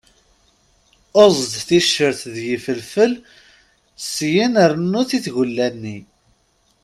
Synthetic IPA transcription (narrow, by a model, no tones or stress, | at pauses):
ozˤd̪θiʃːəɾθðjəfəlfəl | sjinəɾnːuθiθʝəlːænːi